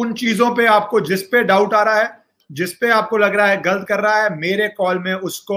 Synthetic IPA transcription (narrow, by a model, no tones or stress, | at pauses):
ʊnt͡ʃiːzõpeaːp̚kod͡ʒɪspeɖaːʊʈaːɾaɦɛː | d͡ʒɪspeaːp̚kolɐɡɾɐaɦɛɡɐlət̪̚kɐɾːɐɦaɦɛmeːɾekɔːlmẽʊsko